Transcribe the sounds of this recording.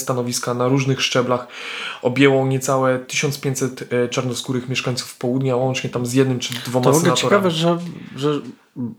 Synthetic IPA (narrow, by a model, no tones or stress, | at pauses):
st̪anɔvʲiskanaɾuʐnɘxʂt͡ʂɛblaxɔbʲjɛwɔɲɛt̪sawɛt̪ɘɕɔnspʲjɛɲt̪ʲsɛt̪t͡ʂaɾnɔskuɾɘxmʲjɛʂkaɲʲt̪su̥fpɔwud̪ɲawɔnt͡ʂɲɛt̪amzjɛd̪nɘmt͡ʂɨd̪vɔmaɔvsɔɡ̪ɛlɛatt͡ɕɛɔɾkavɛʐɛʐɛ